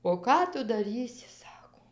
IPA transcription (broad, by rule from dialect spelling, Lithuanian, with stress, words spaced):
oː ˈkɑː ˈtʊ dɐˈrʲiːsʲɪ ˈsɑːkoː